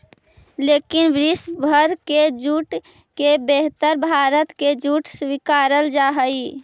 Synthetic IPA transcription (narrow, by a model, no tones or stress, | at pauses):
lekinbɾisbʱəɾked͡ʒuʈ | kebeɦt̪əɾbʱaɾət̪ked͡ʒuʈswikaɾəld͡ʒaɦəj